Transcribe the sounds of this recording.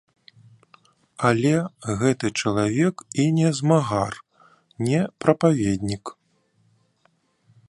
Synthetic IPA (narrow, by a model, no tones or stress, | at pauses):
alʲɛɣɛt̪ɨt͡ʂɐlˠavʲɛkinʲɛzmaɣar | nʲɛpɾɐpavʲed̪ʲnʲik